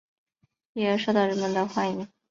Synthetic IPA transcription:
ji˥˩ə˧˥ʂwo˥˧t̪ɑ˥˩ʊɻə˧˥nmə˧nd̪ə˧xwa˥˩ni˧˥ŋ

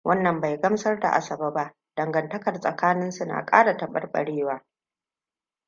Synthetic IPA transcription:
wʔɐ˦nːɐ˨mba˨jɡɐ˦msɐ˦rda̰˨ʔa̰˦sɐ˨baː˦ba˦ʔ | d̥ɐ˨ŋɡɐ˨ntɐ˦kɐ˨rsʼɐ˨kaː˦nɪ˦nsʊ˦na̰ː˨kʼaː˦ɽa˨tɐ˨ɓɐ̰˨rɓɐ̰˨ɽeː˦waː˦

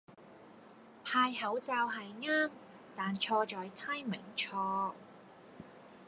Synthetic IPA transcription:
pʰaː˧jhɐ˨˥wt͡saː˧wɦɐ˨jŋaː˥m | t̪aː˨˩nt͡ʃʰɔː˧t͡ʃɔː˨˥jt̪ʰaː˥jmɪ̰˨˩ŋt͡ʃʰɔː˧

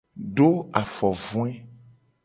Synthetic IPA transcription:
ɖo˦a˨fɔ˨vũ˦ɛ˦

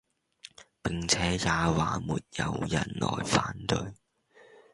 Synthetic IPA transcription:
pɪ˨˩ŋt͡sʰɛː˨˥jaː˨waː˨muː˨t̚jɐ˨˧wjɐ˨˩nlɔ̰ː˨˩jfaː˨˥nt̪ɵ˧ɥ

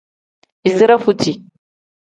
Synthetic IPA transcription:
i˨zɨ˦ɾa˦fu˦tʰi˨

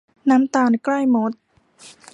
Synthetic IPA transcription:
naː˦˥mt̪aː˧nkla˥˩jmo˨˦˥t̪̚

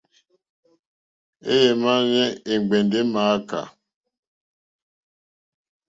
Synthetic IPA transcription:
e˦je˨ma˦ɣɛ˦e˨ŋ͡mɡ͡be˨nde˦ma˨˦ka̰˨

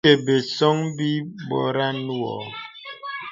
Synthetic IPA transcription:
e˨be˨sɔ˦ŋbi˦bɔ̰˦ɾa˦nu˦ɔ̰˨

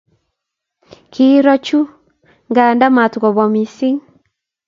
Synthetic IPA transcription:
kʰi˦ɾɔ˦t͡ʃu˦ | ŋɡaː˨nda˦ma˨tɡɔ˨βɔ˨mi˨si˦ŋ

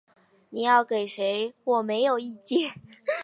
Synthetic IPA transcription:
ni˨˩jɑ˥˩ʊke˨˩ɪʂe˧˥ɪwɔ˨˩me˧˥ɪjo˨˩ʊi˥˩t͡ɕjɛ˥˩

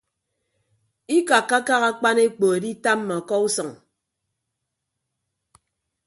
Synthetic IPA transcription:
i˦ka˨kːa˦ka˦ɣa˦k͡pa˦ne˦k͡po˨e˨di˦ta˦m̩ː˦a˨kɔ˦u˦sʌ˨ŋ

